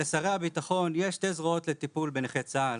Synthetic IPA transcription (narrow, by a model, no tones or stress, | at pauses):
esaʁeabitaχo̞njeʃt̪ezʁoo̞t̪le̞t̪ipulbeneχet͡sa